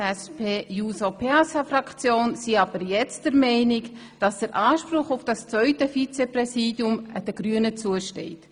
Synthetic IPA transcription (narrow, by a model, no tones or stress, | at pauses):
ɛspʰeːjusopʰeasafrɑkt͡sjoːnsiɑb̥əɾjɛt͡std̥əɾmɛɪnɪk | d̥ɑsd̥əɾʔɑːʃprʊχʊfd̥ɑst͡svœʏtəfit͡sɛprɛsiːdjʊməd̥əɡ̥ɾyənət͡suəʃtɛ̰ɪt